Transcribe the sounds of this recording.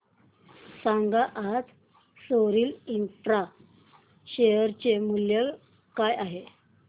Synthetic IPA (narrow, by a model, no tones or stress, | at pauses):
saŋɡaʔat̪ | soɾiːlint̪ɾa | ɕejəɾt͡ɕemuljə | kajaɦe